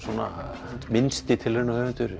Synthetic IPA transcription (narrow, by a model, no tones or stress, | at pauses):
sɔna̰ | mɪnst̪ɪt̪ʰɪlenahɛvɛnt̪ʏɾ